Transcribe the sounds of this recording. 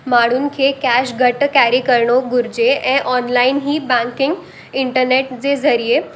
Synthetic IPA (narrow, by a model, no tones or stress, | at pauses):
maɽ̃uːnkʰekæɕɡʱəʈkæɾikəɾɳoɡuɾd͡ʑeʔeʔɔnlainɦiːbãŋkɪŋɡ | iɳʈəɾneʈd͡zed͡zəɾije